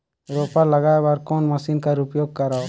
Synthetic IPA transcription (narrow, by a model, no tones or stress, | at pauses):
ɾopaləɡaːebaɾkoːnməsinkaɾupjoːɡ̚kəɾa